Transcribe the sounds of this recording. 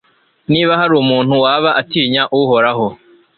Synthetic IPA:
niːβahaɾuːmuːnhuwaːβaʔatiːɲaʔuho̞ɾaɦo

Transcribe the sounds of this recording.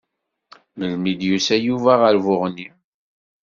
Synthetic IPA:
məlmid̪jusæjuvæʁəɾvʊʁni

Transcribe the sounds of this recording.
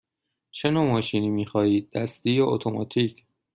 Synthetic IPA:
t͡ʃʰe̞noːmɒːʃiːniːmiːxɒːiːd̪̚ːæst̪iːjɒot̪ʰomɒ̰ːt̪ʰiːcʰ

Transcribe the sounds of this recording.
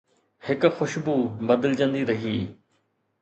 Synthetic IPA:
hɪkxʊʃbuːbɐd̪əld͡ʑə̃nd̪iːɾɐɦiː

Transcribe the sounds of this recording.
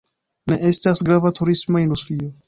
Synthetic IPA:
ne̞ʔe̞stasɡɾavatuɾismo̞industɾio

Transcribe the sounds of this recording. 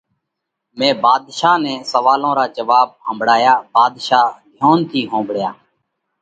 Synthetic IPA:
mẽːbaːd̪ʃaːnɛ̃ːsəʋaːlõːɾaːd͡ʒəʋaːb̚ɦə̃mbʱɽaːjaːbaːd̪ʃaːd̪ʱjoːnt̪ʰiːɦõːbɽjaː

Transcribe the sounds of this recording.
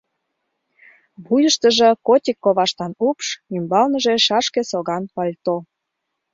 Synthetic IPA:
βujəʃt̪əʒĕkotʲikːoβɑʃt̪ɑnupʃimbɑlnə̆ʒeʃɑʃkesoɣɑnpɑlʲt̪o

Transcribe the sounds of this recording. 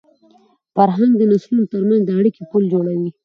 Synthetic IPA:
faɾɦaŋɡd̪ənaslunt̪əɾmanzd̪əaɽikepuld͡ʒoɽawi

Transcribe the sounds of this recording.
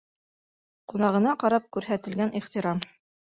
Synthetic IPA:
qunɑʁɤ̆nɑqɑɾɑp̚kʉɾɦæt̪ɘ̆lɡænʔiχt̪iɾɑm

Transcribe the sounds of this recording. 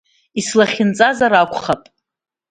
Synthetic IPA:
islaχʲɪnt͡sʼazaɾakʷχapʼ

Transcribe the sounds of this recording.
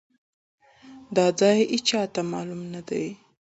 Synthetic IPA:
d̪ɑd͡zɑjit͡ʃɑt̪amɑlumnad̪aj

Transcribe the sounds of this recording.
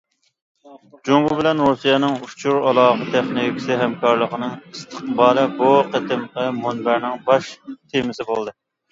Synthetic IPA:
d͡ʒoŋɡʊbɪlɛnɾusijɛnɪŋut͡ʃʰuɾɑlˠɑːʁət̪ʰɛχnokʲi̥sɪɦɛmkʰɑɾlˠəqənɨŋist̪ʰə̥qbɑːlɛbuqæt̪ɪmʁəmonbæɾnɪŋbɑʃt̪ʰemɪsɪbolˠd̪ɨ

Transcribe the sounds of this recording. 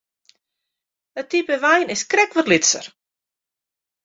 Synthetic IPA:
ətipəʋɛjnɪskrɛkʋɔtlitsə̰r

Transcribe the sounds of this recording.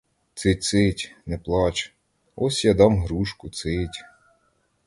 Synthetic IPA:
t̪sɪt͡ssɪtʲnɛplˠɑt͡ʃ | ɔsʲjɑd̪ɑmɦɾuʃkʊt̪sɪtʲ

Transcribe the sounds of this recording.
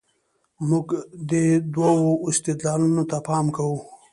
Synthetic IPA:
mʊɡd̪əd̪wawoɪst̪ɪd̪lɑlunot̪apɑmkawu

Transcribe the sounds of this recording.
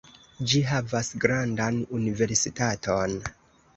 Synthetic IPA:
d͡ʒiɦavasɡɾandanunive̞ɾsitatʰo̞n

